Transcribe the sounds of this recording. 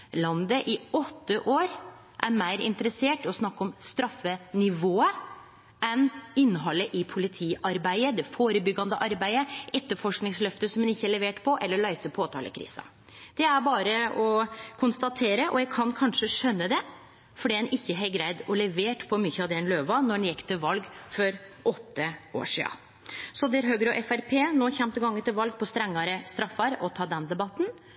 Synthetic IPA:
lɑnd̪əʔɪɔt̪ːəʔoːɾ | ʔæɾmæɪɾɪ̰nt̪əɾəseːʈɔsnɑkːɔmst̪ɾɑfːənɪʋoːə | ɛnɪnːɦɑlːəʔɪpʰʊlɪt̪ʰiːʔɑɾbæɪəd̪ɛfoːɾəbʏɡːɑnd̪əʔɑɾbæɪəʔɛt̪ːəɾfɔʂknɪŋslœft̪əsɔmɛnɪçːəæɭɛʋeːʈpʰɔʔɛlːəɾɭæɪsəpʰoːt̪ʰɑ̰ːlə̰kʰɾḭːsɑ̰ | d̪̥ɛæɾbɑːɾəɔkʰʊnst̪ɑt̪ʰeːɾəʔɔ̰jæɪkʰɑnkʰɑnʂəʂœnːəd̪ɛ | fɔɖiːɛnʔɪçːəɦɛɪɡɾæɪd̪ɔlɛʋeːʈpʰɔmʏçːəɑʋd̪ɛnløːʋɑnɔɛnjɛkːt̪ʰɪlʋɑlɡfɔɾʔɔt̪ʰːəʔo̰ːʂḭːɑ̰ | sɔd̪ɛæɾɦøːɡɾɔʔɛfæɾpʰeːnoːçɛmt̪əɡɑŋːənt̪ɪlʋɑlɡpʰɔst̪ɾɛŋːɑɾəst̪ɾɑfːɑɾɔt̪ʰɑːd̪ɛnd̪ɛbɑt̪ːn̩

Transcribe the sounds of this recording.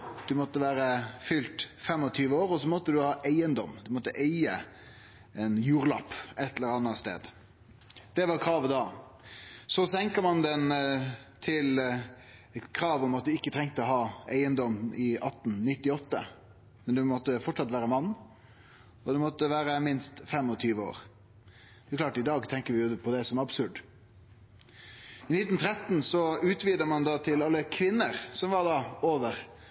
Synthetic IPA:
d̪̥ʉmɔt̪ːəʋæːɾəfʏlt̪fɛmːɔt̪ʰyːʋəoːɾɔsɔmɔt̪ːəd̪ʉhɑːʔæɪənd̪ɔmd̪ʉmɔt̪ːəʔeɪə | ɛnjuːɾlɑpɛt̪ːləɾɑnɑst̪ḛːd̪ | d̪̥ɛʋɑɾkʰɾɑːʋəd̪ɑː | sɔsɛŋkəɾmɑnd̪ɛnt̪ʰɪl | kʰɾɑːʋɔmɑt̪̚d̪ʉɪkːət̪ʰɾɛŋt̪əɔɦɑːæɪənd̪ɔmɪʔɑt̪ːnnɪt̪ːɪɔt̪ːə̰ | mɛnd̪ʉmɔt̪ːəfɔʈʂɑt̪ːʋæːɾəmɑnː | ɔd̪ɛmɔt̪ːəʋæːɾəmɪnst̪fɛmːɔt̪ʰyːʋəo̰ːɾ | d̪ɛɛklɑːʈɪd̪ɑːɡt̪ʰɛŋkəɾʋɪjʊpʰɔd̪ɛsɔmæɾɑbsʉɖ | ɪnɪt̪ːnt̪ʰɾɛt̪nsɔʉːt̪ʋiːd̪əmɑnd̪ɑt̪ʰɪlɑlːəkʰʋɪnːəɾsɔmʋɑd̪ɑoːʋəɾ

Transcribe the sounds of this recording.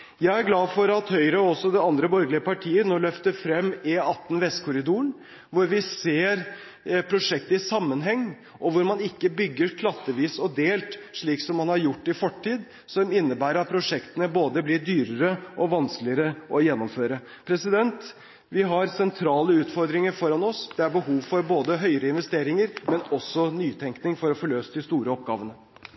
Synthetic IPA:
jæɪæɾɡlɑːfɔɾɑt̪hœʏɾəɔɔsːɔd̪ɛɑnd̪ɾəbɔɾɡlɪəpɑʈʰiːənoːlœft̪əɾfɾɛmːeɑt̪ːn̩ʋɛst̪kʰʊɾɪd̪uːɳ | ʋʊɾʋɪseːɾ | pʰɾʊʂɛk̚t̪əɪsɑmːənɦɛŋː | ʔɔʋʊɾmɑnɪkːəbʏɡːəɾkʰlɑt̪ːəʋiːsɔd̪eːlt̪ʂɭiːksɔmːɑnhɑɾjʊʈːɪfɔʈʰːiːd̪ | sɔmɪnːəbæːɾəɾɑt̪̚pʰɾʊʂɛkt̪ənəboːd̪əblɪɖ̪yːɾəɾəʔɔʋɑnsklɪəɾəʔɔjɛnːɔmføːɾə | pʰɾɛsɪd̪ɛnt̪ | ʋɪɦɑɾsɛnt̪ʰɾɑːləʉːt̪fɔɾd̪ɾɪŋəɾfɔɾɑnɔsd̪̥ɛæɾbəɦuːʋfɔɾboːd̪əɦœʏəɾəɪnʋɛst̪eːɾɪŋəɾmɛnɔsːɔnyːt̪ʰɛŋknɪŋfɔɾɔfɔɭøːst̪d̪ɪst̪uːɾəɔp̚ɡɑ̰ːʋənə

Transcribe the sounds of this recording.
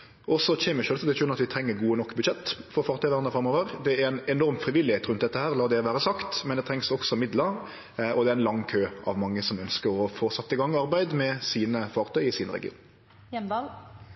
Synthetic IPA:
ʔɔsɔçɛːməʃølst̪ɛʃʉnɑt̪ʋɪt̪ʰɾɛŋːəɾɡuːənɔkːbʉd̪ʃɛt̪ːfɔɾfɑːɾt̪ʰœʏʋæːʁnəfɾɑmoːʋəɾd̪ɛæɾæɪnɛnɔɾmfɾɪʋɪlːɪheːt̪ɾʉnt̪d̪ɛt̪ːəhæːɾlɑːd̪ɛʋæːɾəsɑkt̪mɛnd̪ɛt̪ʰɾɛŋsɔksɔmɪd̪ləɾ | ɔd̪ɛɾɛɪnlɑŋːkʰøːɑ̰ʋmɑŋːəsɔmœnskəɾɔfoːsɑt̪ːəɪɡɑŋːɑɾbæɪd̪mɛsiːnəfɑːɾt̪ʰœʏɪsiːnəɾɛ̰ɡɪ̰ṵːn | ɛɑ

